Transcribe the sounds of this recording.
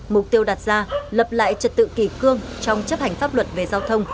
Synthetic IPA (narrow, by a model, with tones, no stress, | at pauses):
mʊ˨˩k͡p̚t̪i˧əwɗaː˨˩t̚zaː˧lə˨˩p̚la̰ː˧˨jt͡ɕə˨˩t̚t̪ɨ̰˧˨ki˧˩kɨ˧əŋt͡ɕɔ˧wŋ͡mt͡ɕə˦˥p̚ha˨˩jŋ̟faː˦˥p̚lwə˨˩t̚ve˨˩zaː˧wt̪ʰə˧wŋ͡m